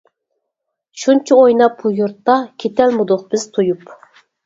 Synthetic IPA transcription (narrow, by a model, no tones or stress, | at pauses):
ʃunt͡ʃʰiojnɑp̚bujuɾt̪ːɑkʲʰet̪ʰɛlmud̪ʊq̚b̥ɪz̥t̪ʰujup